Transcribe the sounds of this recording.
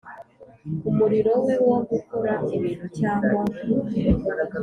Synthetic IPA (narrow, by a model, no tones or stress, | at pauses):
umuɾiɾo̞wewoɡukoɾaiβiːn̤ucaːŋɡwa